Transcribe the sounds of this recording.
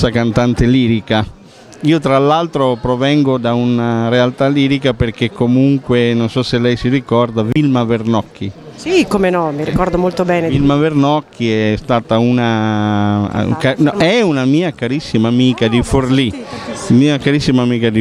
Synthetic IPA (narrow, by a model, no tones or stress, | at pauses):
akant̪ant̪eliːɾika | iːot̪ɾalːalt̪ɾopɾovɛŋɡod̪aunaɾealt̪aliːɾikaperk̟ekːomuŋkwenonsɔsːelːɛjsirikɔrd̪avilmavernɔkʰːi | ikomenɔmiɾikɔɾd̪omolt̪obɛːnevilmavernɔkʰːiɛst̪aːt̪auna̰ | kanɛunamiːakaɾisːimaːmiːkad̪iforlimiːakaɾisːimaːmiːkad̪i